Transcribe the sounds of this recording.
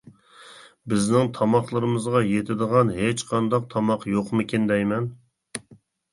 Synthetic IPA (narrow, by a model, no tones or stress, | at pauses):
bɪznɪŋt̪ʰɑmɑχlˠɨɾɨmɨzʁɑjet̪ʰɪd̪əʁɑnɦet͡ʃqʰɑnd̪ɑq̚t̪ʰɑmɑqjoqmɪkʲind̪ɛjmɛn